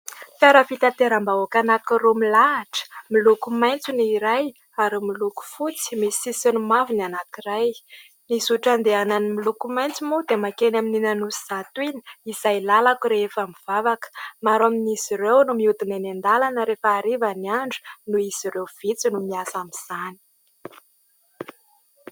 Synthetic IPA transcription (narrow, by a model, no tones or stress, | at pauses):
faɾəfit̪at̪eɾambaokanakiɾomilaːʈ͡ʂə̥milukumajnt͡suniɾaj | aɾimiluku̥fut͡si̥misisinumavinanakiraj | nisuʈ͡ʂand̪eananimilukumajnt͡simud̪emakenamininanusiz̥at̪uini̥izajlalakuɾefamiv̥avakə̥maɾaminiziɾewnumiut̪inenend̪alanəɾefəːɾivaniaɳɖ͡ʐu̥nuiz̥irewv̥it͡sinumiasamiz̥ani̥